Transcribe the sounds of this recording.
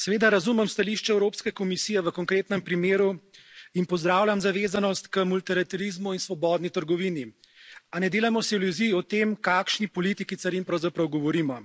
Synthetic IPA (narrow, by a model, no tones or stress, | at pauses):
sɛʋeːd̪aɾazumɛmst̪aliʃt͡ʃɛɛwɾoːpskɛkɔmisijɛʋəkɔŋkɾeːt̪nɛmpɾimeːɾuinpɔzd̪ɾaːwlʲamzaʋeːzanɔst̪kəmult̪iɾat̪ɛɾizmuinsʋɔbɔːd̪nit̪əɾɡɔʋiːni | anɛd̪eːlamɔsɛwluziɔt̪emkaːkʃnipɔlit̪ikit̪saɾimpɾɐwzapɾɐwɡɔʋɔɾiːmɔ